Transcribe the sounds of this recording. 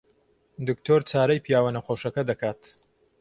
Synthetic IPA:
d̪ɨkt̪ʰoɾt͡saːɾɐjpʰijaːwɐnɐχoːʃɐkɐd̪ɐkaːt̪

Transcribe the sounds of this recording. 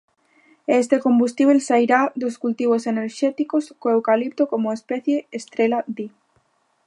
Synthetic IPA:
est̪ekombust̪iβ̞elsaiɾad̪oskult̪iβ̞oseneɾʃɛt̪ikoskoewkalip̚t̪okomoespɛθjeest̪ɾelad̪i

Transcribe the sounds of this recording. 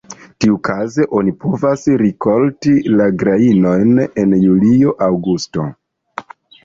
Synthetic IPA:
tiukʰaze̞ʔo̞nipʰo̞vasɾiko̞ltilaɡɾaino̞jne̞njulio̞ʔawɡusto̞̰

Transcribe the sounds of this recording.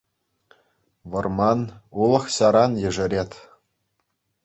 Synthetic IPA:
ʋɤ̆rmɑnulˠɤ̆χɕɑɾɑnjɘ̆ʐɘ̆ɾʲet̪ʲ

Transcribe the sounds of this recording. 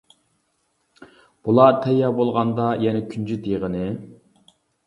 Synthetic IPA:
b̥ulˠɑt̪ʰɛjːɑbolˠʁɑnd̪ɑjɛnɛkʲʰynt͡ʃʰyt̪ʰeʁənɨ

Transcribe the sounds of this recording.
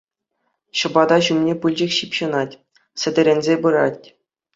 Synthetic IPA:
ɕɤ̆bɑd̪ɑɕumnʲepɯlʲd͡ʑɘ̆kʲɕipɕɤ̆nɑtʲ | sʲɘ̆dʲɘ̆ɾʲenʲzʲebɯɾɑtʲ

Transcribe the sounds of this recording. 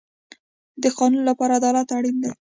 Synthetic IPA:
d̪əxɑnunlapɑɾad̪ɑlat̪aɽind̪a

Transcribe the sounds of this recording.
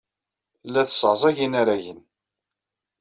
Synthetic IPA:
lːæθə̥səʁzˤæʝinaɾæjən

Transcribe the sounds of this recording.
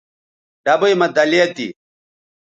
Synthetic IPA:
ɖɐbɐjmɐd̪ɐleːt̪ḭ

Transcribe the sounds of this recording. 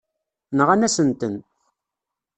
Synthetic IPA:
nəʁænæsənt̪ən

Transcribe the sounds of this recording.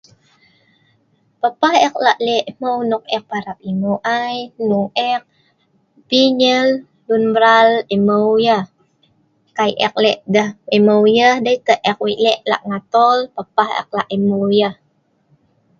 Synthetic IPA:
pəpahɛk̚laʔlɛʔməwnuk̚ɛk̚paɾap̚imowʔajmuʔɛk̚ | piɲəl | lunbɾaleməwjəh | kajʔɛ̰k̚lɛʔdəheməwjəhdəikəʔʔɛk̚wiʔlɛʔla̰ʔŋat̪ɔlpəpahɛ̰k̚laʔemojəh

